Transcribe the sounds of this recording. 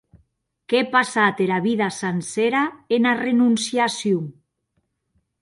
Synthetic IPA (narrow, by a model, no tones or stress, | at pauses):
kepasat̪eɾaβiðasanseɾaenarenunsjasjuŋ